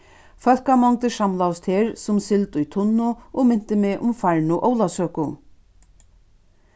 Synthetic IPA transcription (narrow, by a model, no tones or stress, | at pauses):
fœlkamɔŋt̪ɪʂamlawst̪ʰhɛːɾsʊmsɪlt̪ʊjt̪ʰʊnːʊɔɣmɪn̥t̪ɪmɪʔʊmfaɹnʊʔoːwlasœːkʊ